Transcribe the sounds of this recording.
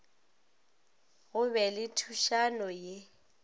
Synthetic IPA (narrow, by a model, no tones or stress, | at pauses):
ɣʊbɛlɪtʰuʃanɔje